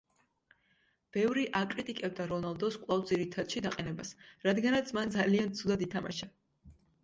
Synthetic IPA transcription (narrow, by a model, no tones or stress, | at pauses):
b̥ɛvɾiʔakʼɾit̪ʼikʼɛb̚d̪aɾɔnalˠd̪ɔskʼvlˠavd̪ziɾit̪ʰad̪ʃid̪aqʼɛnɛbasɾad̪ɡanat̪sʰmand̪zaliant̪sʰud̪ad̪it̪ʰama̰ʃa